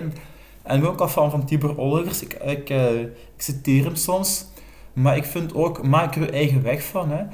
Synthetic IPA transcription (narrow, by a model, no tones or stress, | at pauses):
n | ɛ̰nəokɑlˠfɑnvɑntibørolˠəvərsɪɪkː | ɪksiteːrəmsɔms | maːɾɪkfɪntoːkmaːkkyʔɛjɣəʋɛxfɑnɦɛ